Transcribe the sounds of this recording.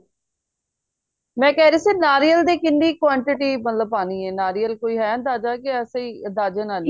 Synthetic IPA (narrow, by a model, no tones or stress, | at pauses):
mɛ̃ːkɛːɾiːseːnaːɾijəld̪iːkɪnːiːkwaːɳʈɪʈiːmət̪ləb̚paːniːɛːnaːɾiːəlkoːiːɦɛːə̃nd̪aːd͡ʒaːkɪəseiːəd̪aːd͡ʒaːnaːlː